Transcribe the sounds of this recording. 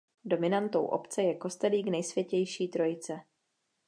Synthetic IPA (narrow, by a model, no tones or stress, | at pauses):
do̞mɪnant̪owʔo̞̰pt͡sɛjɛko̞st̪ɛliːɡnɛjsvjɛcɛjʃiːt̪ɾo̞jɪt͡sɛ